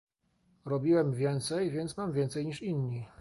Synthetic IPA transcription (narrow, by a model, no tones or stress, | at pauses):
ɾɔbʲiwɛmvʲjɛnt̪sɛjvʲjɛnt̪smamvʲjɛnt̪sɛjɲiʂinɲi